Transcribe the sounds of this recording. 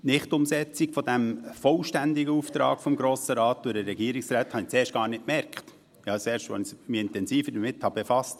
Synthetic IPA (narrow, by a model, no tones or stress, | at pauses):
nɪχtʊmsɛt͡sikfɔdæmfɔlʃtændiɡəuft̪ɾɑ̰ːɡfɔmɡɾoːsəɾɑːt̚d̥ʊdəːɛɡiːɾiksɾæːthɑnit͡seːɾʃtɡ̥ɑːɾnɪt̚kmɛɾkχt | ɑt͡sɛːɾʃtʋɔ̰nɪsmiːɪntɛnsiːfədəmɪthɑb̥efɑst